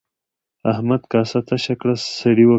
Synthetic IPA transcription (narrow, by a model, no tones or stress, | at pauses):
ahmad̪kɑːsat̪aʃakɽasɐɽiwa